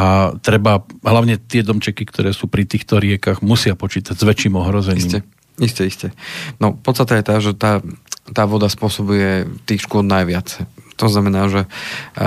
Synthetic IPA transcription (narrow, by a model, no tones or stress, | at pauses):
at̪ɾɛbaɦlaʊɲɛt̪ɪɛd̪ɔmt͡ʃɛkikt̪ʰɔɾɛːsuːpɾit̪iːxt̪ɔɾɪɛkaɣmusɪapɔt͡ʃiːt̪aɟzʋɛt͡ʃːiːmɔɦɾɔzɛɲiːmɛ | iscɛiscɛnɔpɔt̪st̪at̪ɛjɛt̪aʒɛt̪aːt̪aːʋɔd̪aspʊɔsɔbujɛt̪iːxʃkʊɔlnajʋɪat͡st̪ɔznamɛnaːʒɛ